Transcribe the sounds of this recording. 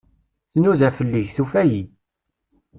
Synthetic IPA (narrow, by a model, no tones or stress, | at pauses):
θnuðæfəlːiʝθufæji